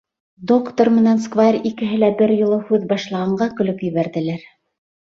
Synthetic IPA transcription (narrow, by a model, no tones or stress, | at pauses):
d̪okt̪ormɘ̆nænskvarʲikɘ̆ɦɘlæbɘɾjŏlˠɤhʉðbɑʃlˠɑʁɑɴɢɑkɵ̆lɵkjɘ̆βæɾðɘ̆læɾ